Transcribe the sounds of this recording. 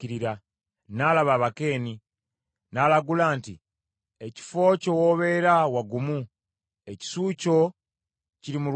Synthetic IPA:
iɾiɾa | naːlaβaːβake̞ːni | nalaɡulaːnti | eci̥fo̞ːco̞woːβe̞ːɾawaɡumu | eci̥suːco̞ | ciɾimu

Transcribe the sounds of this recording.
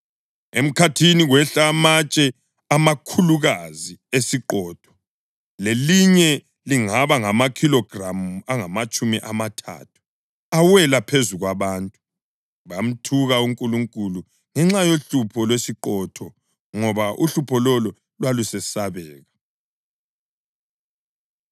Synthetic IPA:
em̩kʰatʰiniɣwɛɬamat͡ʃʼɛ | amakʰuluɣaziesiǃɔːtʰɔ̥ | leliɲɛ | liŋaβaŋamakʰilɔɡ̥ramuaŋamat͡ʃʼumiʔamatʰa̰tʰu̥ | awɛlapʰezuɣwaβaːntʼu | βam̩tʰuɣauŋkʼuluŋkʼulu | ŋɛŋ͡ǁajoɬupʰɔlwesiǃɔtʰɔ | ŋɔβaʔṵɬupʰɔlɔlɔ | lwalusɛsaβɛːɣa

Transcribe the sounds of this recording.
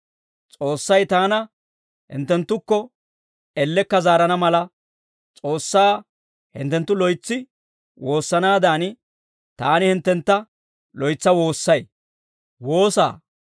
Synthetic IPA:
t͡sʼo̞ːsːɐjt̪aːnɐ | hɪ̰nt̪ːɛnt̪ːʊkːɔ | ɛlːɛkːɐzaːɾɐnɐmɐlɐ | t͡sʼoːsːaː | hɪ̰nt̪ːɛnt̪ːʊlɔjt͡sːɪ | wo̞ːsːɐnaːd̪aːn | t̪aːnɪhɪnt̪ːɛnt̪ːɐ | lɔjt͡sːɐwo̞ːsːɐj | wo̞ːsa̰ː

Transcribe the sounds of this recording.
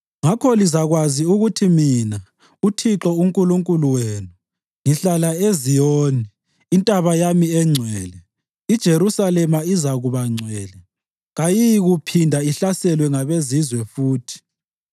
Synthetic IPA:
ŋakʰɔlizaɣwaziuɣutʰimina | utʰiǁɔuŋkʼuluŋkʼuluweːnu | ŋiɬalaezijoːniː | ntʼaβajamiɛŋ͡ǀʱwɛːlɛ | id̥ʒ̥ʱeɾusalɛmaizaɣuβaŋ͡ǀʱwɛːlɛ | ɣajijɣupʰindʱaiɬasɛlwɛŋaβezizwɛfuːtʰi̥

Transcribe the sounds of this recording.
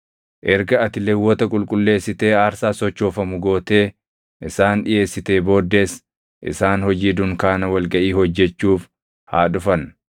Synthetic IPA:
ʔɛɾɡɐɐt̪ɪlɛwːɔt̪ɐkʼʊlkʼʊlːe̞ːsːɪt̪e̞ːaːɾsaːsɔt͡ʃːo̞ːfɐmʊɡo̞ːt̪e̞ː | ʔɪsaːnᶑɪjʔe̞ːsːɪt̪e̞ːbo̞ːd̪ːe̞ːs | ʔɪ̰saːnhɔd͡ʒiːd̪ʊŋkaːnɐwɐlɡɐʔiːhɔd͡ʒːɛt͡ʃːuːf | haːᶑʊfɐn

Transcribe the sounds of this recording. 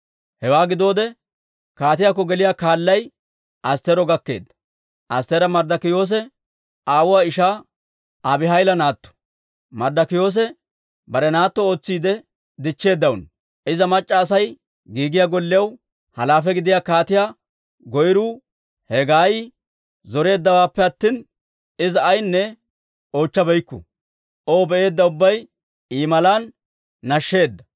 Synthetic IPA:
hɛwaːɡɪd̪o̞ːd̪ɛ | kaːt̪ɪjaːkːɔɡɛlɪjaːkaːlːɐj | ʔɐst̪ɛɾɔɡɐkːeːd̪ːɐ̥ | ʔɐst̪ɛɾɐmɐɾd̪ɐkɪjo̞ːs̬ɛ | aːwʊwaːɪʃaː | ʔaːbɪɦɐjlɐnaːt̪ːɔ̥ | mɐɾd̪ɐkɪjo̞ːs̬ɛ | bɐɾɛnaːt̪ːɔo̞ːt͡sːiːd̪ɛ | d̪ɪt͡ʃːe̞ːd̪ːɐwʊn | ʔɪzɐmɐt͡ʃʼːɐːs̬ɐj | ɡiːɡɪjaːɡɔlːɪjɐw | hɐlaːfɛɡɪd̪ɪjaːkaːt̪ɪjaː | ɡɔjɾuː | hɛɡaːj | zɔɾe̞ːd̪ːɐwaːpːɛɐt̪ːiːn | ɪzɐːjnːɛ | o̞ːt͡ʃːɐbɛjkːʊ̰ | ʔo̞ːbɛʔe̞ːd̪ːɐʊbːɐj | iːmɐlaːnː | ɐʃːe̞ːd̪ːɐ

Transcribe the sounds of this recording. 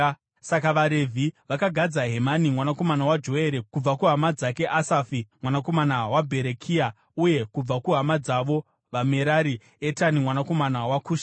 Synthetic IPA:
sakaʋaɾevʱiʋakaɡʱad͡zaɦe̞manimwanako̞manawad͡ʒo̞e̞ɾekub͡vakuɦamad͡zake̞ʔasafimwanako̞manawabʱe̞ɾekʰia | uje̞kub͡vakuɦamad͡zaʋo̞ | ʋame̞ɾaɾi | etanimwanako̞manawakuːʃḁ

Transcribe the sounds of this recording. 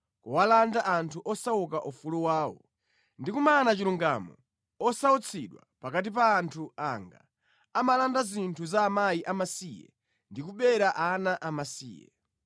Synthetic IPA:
kuwalandaʔantʰuʔɔsaukaʔufuluwaːwɔ̰ | ndikumaːnat͡ʃiluŋɡamɔ | ɔsaut͡sʰiɗwa̰pakat̬ip̬aːntʰua̰ŋɡa̰ | amalandazintʰuzaːmajiʔamasijɛ̰ | ndikuɓɛɾaʔanaʔamasḭːjɛ̰

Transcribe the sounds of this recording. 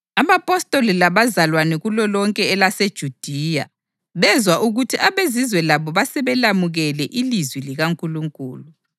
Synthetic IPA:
aβapʼɔstʼolilaβazalwanɛɣulɔlɔŋkʼɛːlased̥ʒ̥ʱud̥ʱija̰ | βɛzwaʔuɣutʰiʔaβezizwɛlaβɔβasɛβɛlamuɣɛlɛʔilizwiliɣaŋkʼuluŋkʼṵːlu

